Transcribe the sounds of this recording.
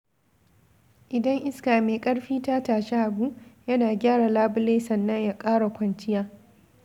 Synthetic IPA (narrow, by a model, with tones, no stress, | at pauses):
ʔɪ˨dɐ˦ŋʔɪ˦skaː˨meː˨kʼɐ˦ɽɸiː˦ta˦taː˨ʃɛ˦ʔa˨bu˦jɐ˦naː˨ɡʲaː˦ɽa˨laː˦bʊ˦leː˦sɐ˨nːɐ˦ɲjaː˦˨kʼaː˦ɽa˨kʷɐ˨nt͡ʃɪ˦jaː˦